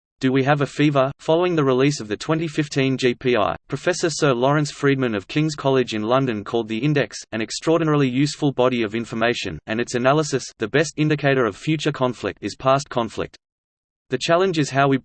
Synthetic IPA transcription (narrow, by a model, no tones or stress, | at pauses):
d̥ɨwiɨvɨfivə˞fɑlˠʊɪ̃ŋðɨɹɨlisʌvðɨtʰw̥ɛ̃ntifɪftʰĩnd͡ʒipʰia̰ɪpʰɹ̥ɨfɛsə˞sɜ˞lɔɹɨ̃nsfɹid̚mɨ̃nʌv̥kʰɪ̃ŋz̥kʰɑlˠɪd͡ʒɨ̃nlʌ̃ndɨ̃nkʰɔlˠd̪̚ðiɪ̃ndɛksɨ̃ñɨkstɹ̥ɔɹdⁿnɛɹl̩ˠijʉsfəlˠbɑɾiʌvɪ̃ɱfə˞meɪʃɨ̰̃nɨ̃nɨtsɨnælˠəsɨsðɨbɛstɪ̃ndɨkʰeɪɾə˞ʌv̥fjʉt͡ʃə˞kʰɑ̃ɱflɪ̰k̚tɨz̥pʰæskʰɑ̃ɱflɪ̰k̚t̪ | ðɨt͡ʃʰælˠə̃nd͡ʒɨz̥ɦaʊwi